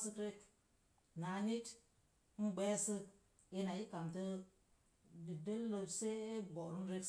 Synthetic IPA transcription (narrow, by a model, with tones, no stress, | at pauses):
sɨ˦kɾe˦k | na˨ɲi˦t | n̩˦ɡ͡be˦sɨ˦ | i˦na˨ji˦ka˨mtɨ˦ | bi˨də˦llo˨se˦bo˨ɾu˦n˦ɾe˦